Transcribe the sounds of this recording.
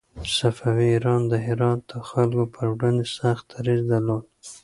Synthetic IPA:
safawiːɾɑnd̪əɦɪɾɑt̪̚d̪̥əxalkopʰəɾwɽand̪esaxt̪̚aɾizd̪aɾlod̪̚

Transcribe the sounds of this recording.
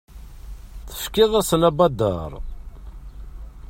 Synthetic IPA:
θə̥fkɪðˤəɾsənæbɑd̪ːɑ̰ɾˤ

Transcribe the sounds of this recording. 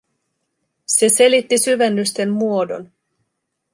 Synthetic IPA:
se̞se̞lit̪ːisyʋenːyst̪e̞mːuo̞do̞̰n

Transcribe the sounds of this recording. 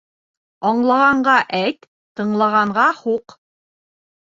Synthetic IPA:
ɒɴlˠɑʁɑɴɢɑʔæjt̪ː | ɤ̆ɴlˠɑʁɑɴʁɑhuq

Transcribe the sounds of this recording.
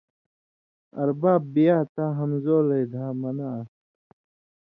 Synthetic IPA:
ɐ̰ɾbaːbːijaːt̪aɦɐmzoːɾejd̪ʱaːmɐna

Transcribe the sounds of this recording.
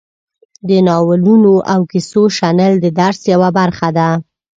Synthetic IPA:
d̪ənɑwəlunoʔawkisoʃanəld̪əd̪aɾsjawabaɾxad̪a

